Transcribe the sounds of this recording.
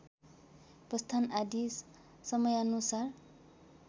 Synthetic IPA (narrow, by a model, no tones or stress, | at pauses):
prʌst̪ʰanad̪isː | ʌmʌjʌnusar